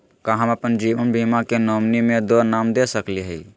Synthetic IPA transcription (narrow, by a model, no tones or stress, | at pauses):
kaɦəməpənd͡ʒiʋənbʱimakenomnimed̪onamd̪esəkliɦəi